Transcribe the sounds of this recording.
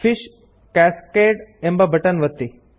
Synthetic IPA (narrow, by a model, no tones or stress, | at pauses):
fiʃ | kæskeɖembɐbʱəʈənʋət̪ːi